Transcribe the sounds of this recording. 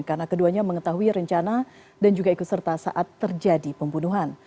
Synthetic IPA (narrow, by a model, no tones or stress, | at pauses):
karnakəduaɲaməŋət̪aɦuiɾəɲt͡ʃana | dand͡ʒuɡaikut̪sərt̪asa̰ʔat̪ːərd͡ʒadipəmbunuɦan